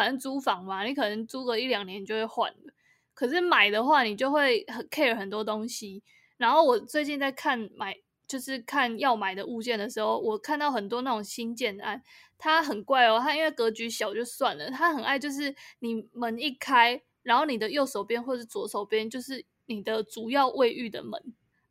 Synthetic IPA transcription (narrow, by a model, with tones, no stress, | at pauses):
ə˨˩nə˧˦ŋt͡su˧˥fɑ˨˩˦ŋma˨ni˨˩kʰɤ˨˩nə˧˦ŋt͡su˦kɤ˧˦i˥˩ljɑ˨˩ŋnjɛ˧˦nt͡ɕjo˥˧ʊxwe˥˩ɪxwa̰˨˩nlə˩ | kʰɤ˨˩ʂɻ̩˥˩ma˨˩ɪd̪ə˦xwa˥˩ni˨˩t͡ɕjo˥˧ʊxwe˥˩ɪhə˨kʰe˥˩ɪə˨˩xə˨˩nt̪wɔ˦˥t̪o˦˥ŋɕi˦ | ɻa˧˥nxo˥˩ʊwɔ˨˩t͡swe˥˧ɪt͡ɕi˥˧nt͡sa˥˧ɪkʰa˥˩nma˨˩˦ɪ | t͡ɕjo˥˧ʊʂɻ̩˥˧kʰa˥˨njɑ˥˩ʊma˨˩ɪd̪ə˩u˥˧t͡ɕjɛ˥˩nd̪ə˩ʂɻ̩˧˦xo˥˩ʊwɔ˨˩kʰa˥˧nt̪ɑ˥˩ʊxə˨˩nt̪wɔ˦˥na˥˩o˨˩ŋɕi˥nt͡ɕjɛ˥˧n˩a˥˩n | t̪ʰa˦˥ɦə˨˩nkwa˥˩ɪɔ˩t̪ʰa˥i˥nwe˥˩ɪkɤ˧˦˥t͡ɕy˧˥ɕjɑ˨˩ʊt͡ɕjo˥˧ʊswa˥˨nlə˩t̪ʰa˦˥xə˨˩na˥˧ɪt͡ɕjo˥˧ʊʂ̬ɻ̩˥˩ni˨˩mə˨˦ni˥˩kʰa˥ɪ | ɻa˧˥nxo˥˩ni˨˩d̪ə˩jo˥˩ʊʂo˨˩ʊpjɛ˦nxwʈ͡ʂəʂ̩˥˩t͡swɔ˧˥ʂo˨˩ʊpjɛ˥˦nt͡ɕjo˥˧ʊʂɻ̩˥˩ | ni˨˩d̪ə˦ʈ͡ʂt͡su˨˩jɑ˥˧ʊʔwe˥˧ɪʔy˥˩d̪ə̰˩mə̰˧˦n